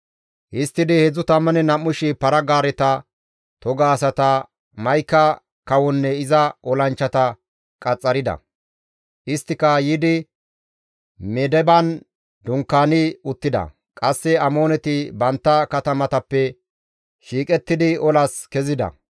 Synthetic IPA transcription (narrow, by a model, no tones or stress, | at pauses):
ʔɪst̪ːɪd̪ɪhɛzʊt̪ɐmːɐnɛnɐmːʊʃɪpɐɾɐɡaːɾɛt̪ɐ | t̪ɔɡaːsɐt̪ɐ | mɐjkːɐ | kɐwɔnːɛɪzɐʔɔlɐnt͡ʃːɐt̪ɐ | kʼɐt͡sʼːɐɾɪd̪ɐ̰ | ʔɪst̪ːɪkɐjɪd̪ɪ | mɛd̪ɛbɐn | d̪ʊŋkːaːnɪʊt̪ːɪd̪ɐ̰ | kʼɐsːɛɐmo̞ːnɛt̪ɪbɐnt̪ːɐkɐt̪ɐmɐt̪ɐpːɛ | ʃiːkʼɛt̪ːɪd̪ɪɔlɐskɛzɪd̪ɐ̰